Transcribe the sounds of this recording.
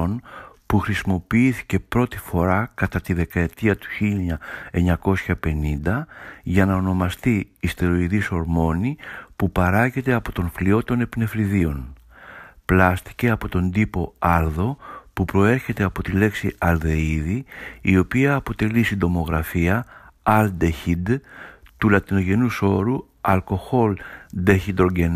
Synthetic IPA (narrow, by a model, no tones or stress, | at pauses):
onpuxɾisimo̞piiθi̥ce̞pɾo̞t̪i̥fo̞ɾɐkɐt̪ɐt̪iðe̞kɐe̞t̪iɐt̪u̥çiʎɲɐe̞ɲɐko̞sçɐpe̞nind̪ɐʝɐnɐo̞no̞mɐst̪iːst̪eɾo̞iðiso̞ɾmo̞nipupɐɾɐʝet̪e̞ɐpo̞t̪o̞nflio̞t̪o̞ne̞pne̞vɾiðio̞n | plɐst̪i̥ce̞ɐpo̞t̪o̞nd̪ipo̞ɐlðo̞pupɾo̞e̞ɾçe̞t̪e̞ɐpo̞t̪ile̞ksiɐlðe̞iðiːo̞piɐːpo̞t̪e̞lisind̪o̞mo̞ɣɾɐfiɐɐld̪eçid̪t̪ulɐt̪ino̞ʝe̞nuso̞ɾu | ɐlko̞xo̞ld̪eçid̪ɾoɟen